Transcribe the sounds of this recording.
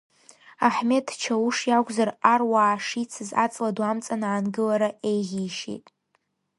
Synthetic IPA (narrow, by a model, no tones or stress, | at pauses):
aħme̞tʰt͡ʃʰawuʂjaɡʷʼzararwaːʂit͡sʰɨza̰t͡sʼladwamt͡sʼanaʕanɡɨlaɾaejʁʲiʃḛtʼ